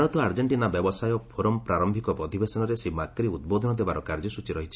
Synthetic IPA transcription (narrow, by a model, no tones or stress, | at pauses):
ɾɔt̪ɔaɾd͡ʒeɳʈinabjɔbɔsajɔpʰoɾɔmpɾaɾɔmbʱikɔpɾɔd̪ʱibesɔnɔɾesemakɾiud̪̚bod̪ʱɔnɔd̪ebaɾɔkaɾd͡ʒɔsut͡ʃiɾɔɦit͡ʃʰi̥